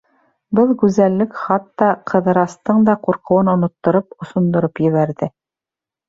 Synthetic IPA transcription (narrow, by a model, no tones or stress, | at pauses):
bɤlˠkʉzælːɘkχɑt̪ːɑqʰɤ̆ðɤ̆ɾɑst̪ɤɴd̪ɑquɾqŏwɤnŏnŏt̪ːŏɾopŏsŏnd̪ŏɾopjɘ̆βæɾðɘ